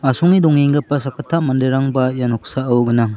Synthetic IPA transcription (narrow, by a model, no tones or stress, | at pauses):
asɔŋidɔŋiŋɡɐpːɐsakʰatʰːamandeɾaŋbajanɔksaɐwɡɯnaŋ